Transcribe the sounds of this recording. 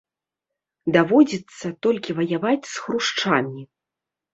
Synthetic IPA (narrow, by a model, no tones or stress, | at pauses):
d̪avɔd͡zʲit̪sːɐt̪ɔlʲkʲivɐjavat͡sʲsxɾuʂt͡ʂamʲi